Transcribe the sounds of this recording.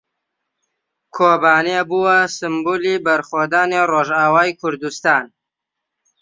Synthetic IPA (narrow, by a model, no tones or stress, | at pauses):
kʰoːbaːnebuwɐsɨmbuːlibɐɾxoːd̪aːneroʒaːwaːjkʰʊɾd̪ust̪aːn